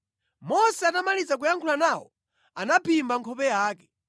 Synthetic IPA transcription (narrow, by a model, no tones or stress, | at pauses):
mɔsɛanamalid͡zak̬ujaŋkʰulanawɔ̰ | anapʰimbaŋkʰɔpɛjaːkɛ